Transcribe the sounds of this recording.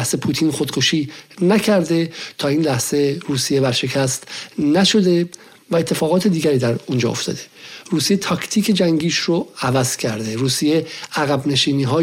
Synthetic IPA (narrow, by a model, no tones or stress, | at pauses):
hsepʰuːt̪ʰiːnxo̞d̪̥kʰo̞ʃiːnæcʰæɾd̪e̞t̪ʰɒːiːnlæhz̥eɾuːsije̞bæɾʃe̞cʰæst̪næʃo̞d̪e̞ | væet̪ʰːe̞fɒːɣɒːt̪ʰed̪iːɡæɾiːd̪æɾund͡ʒɒ̰ːo̞̰ft̪ɒ̰ːd̪e̞ruːsijet̪ʰɒːkʰt̪ʰiːcʰe̞d͡ʒæŋɟiːʃroævæz̥cʰæɾd̪e̞ɾuːsije̞æɣæbne̞ʃiːniːɦɒː